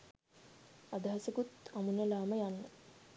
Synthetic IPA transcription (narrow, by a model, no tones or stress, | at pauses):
ad̪aɦasəkut̪amunəlaːməjanːə